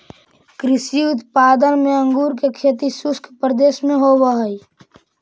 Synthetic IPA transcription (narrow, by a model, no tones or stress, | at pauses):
kɾɪsiʊt̪paːd̪ənmẽə̃ŋɡuːɾk̬ekʰeːt̪isʊskʰpɾəd̪eːʃmẽɦowəɦəi